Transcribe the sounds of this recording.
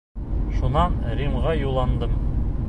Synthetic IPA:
ʃunɑnɾimʁɑjulˠɑnd̪ɤm

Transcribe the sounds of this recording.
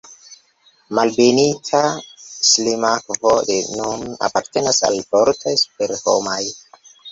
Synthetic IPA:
malbenitʰaslimakvodenuna̰paɾte̞nasa̰lfoɾtʰajspeɾho̰maj

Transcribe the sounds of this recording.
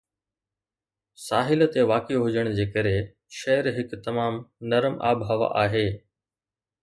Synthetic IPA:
saːɦɪl̆t̪eʋaːkeɦʊd͡ʑəɽ̃d͡ʑeːkɐɾe | ʃɐɦəɾɦɪkt̪ɐmaːmnɐɾəmʔa̰ːbɦɐʋa̰ʔaːɦeː

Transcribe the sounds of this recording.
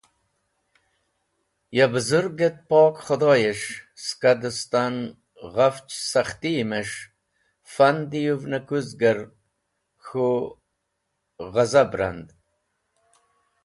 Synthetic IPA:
jabəzuɾɡet̪̚poːkχod̪oːjeʂskad̪əst̪an | ʁaft͡ʃsaχt̪imeʂ | fand̪ijuvnakuzɡəɾ | xo | ʁazabɾa̰nd̪

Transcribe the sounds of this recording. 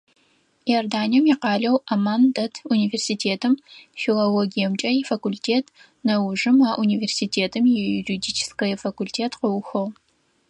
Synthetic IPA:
jɐrdaːniɛmjiqɑːɮɐwɐmaːndɐtʰuniversitʰeːtʰɨmfilɐloɡijɛmt͡ʃʼɐjifɐkulʲtʰeːtʰ | nɐwʊʐɨmaːʔuniversitʰeːtʰɨmjɛjuridiːt͡ʃʰɪ̥skɐjɛfɐkʷultʰeːtʰqəwxʷɐʁ

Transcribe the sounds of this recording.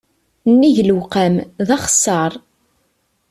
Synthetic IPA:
nːiʝəlwqæmðɑχə̥sːɑɾˤ

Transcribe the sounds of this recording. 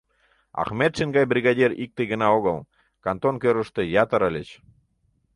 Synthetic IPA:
ɑ̰χmet̪ʃiŋɡɑjbrʲiɣɑdʲeɾḭk̚t̪eɡə̆nɑoɣəl | kɑnt̪onkøɾə̆ʃt̪ĕjɑt̪ə̆ɾə̆lʲət͡ɕ

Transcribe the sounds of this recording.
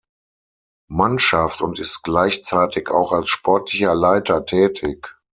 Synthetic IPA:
manʃaftʊntɪstɡ̥laɪçt͡saɪtɪkaʊxalsʃpʰɔɐtʰlɪçɐlaɪtɐtʰɛːtʰɪk

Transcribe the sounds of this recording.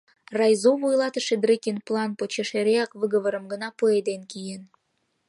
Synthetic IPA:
rɑjzovojlɑt̪əʃed̪rekʲenplˠɑnpot͡ɕeʃeɾeɑkβəɣə̆βəɾəmɡənɑpued̪enkijen

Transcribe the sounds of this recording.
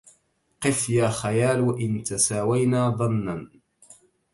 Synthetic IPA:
qɨfjaːxajaːlʔɪnt̪asaːwajnaːðˤɑnːan

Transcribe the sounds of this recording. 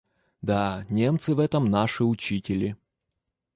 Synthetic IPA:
d̪anʲe̞mt̪sɨvɛt̪əmnaʂɨʊt͡ɕitʲɪlʲɪ

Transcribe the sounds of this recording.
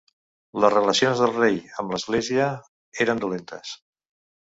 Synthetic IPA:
ləzrələsionzðəlˠrejəmləzɣleziə | eɾənd̪ulent̪əs

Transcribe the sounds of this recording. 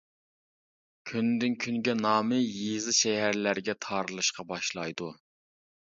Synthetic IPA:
kʲʰynd̪ɪnkʲʰyŋɡʲɛnɑːmɨjizɨʃɛɦæɾlæɾɡʲɛt̪ʰɑːɾɨlˠɨʃqɑbɑʃlˠɑjd̪u

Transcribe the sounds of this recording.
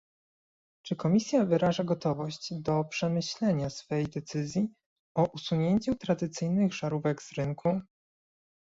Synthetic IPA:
t͡ʂɘkɔmʲisʲjavɘɾaʐaɡɔt̪ɔvɔɕt͡ɕd̪ɔpʂɛmɘɕlɛɲasfɛjd̪ɛt̪sɘzʲji | ɔʔusuɲeɲt͡ɕut̪ɾad̪ɘt̪sɘjnɘɣʐaɾuvɛɡz̥ɾɘŋkʰu

